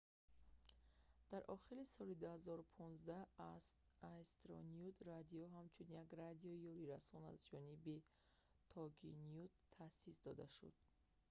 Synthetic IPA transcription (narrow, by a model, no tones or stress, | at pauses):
d̪̥aɾʔɔχiɾisɔlid̪uhazɔɾupʰɔnzd̪aaz | ast̪ɾɔ̰nijud̪rad̪iɔɦamt͡ʃʰunjaɡrad̪iɔjɔɾiɾasɔna̰zd͡ʒɔnibi | t̪ʰɔɡinijut̪ʰːasisd̪ɔd̪a̰ʃṵd̪̥̚